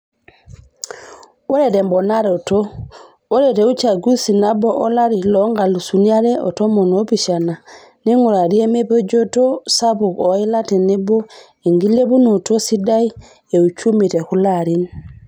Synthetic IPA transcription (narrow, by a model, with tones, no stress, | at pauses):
ɔ˦ɾɛtɛ˨mbɔ˨naɾɛɔ˨to˦ | ɔ˦ɾɛtɛu˦t͡ʃa˨ɡu˦sina˦bɔʔɔ˦laɾilɔ˦ŋɡa˨lu˨sunia˦ɾɛɔ̰˨tɔ˦mɔ˨nopiʃa˨na˨ | ni˦ŋuɾa˨ɾi˦e˦me˦pɔ˦d͡ʒɔ˦to˦sa˦bu˨kɔi˦la˦tɛ˨nɛ˦bɔ˦ | e˨ŋɡi˦le˦bu˦nu˨to˦si˦da˦i˦ | e˨u˨t͡ʃu˦mi˨tɛ˨kulaɾin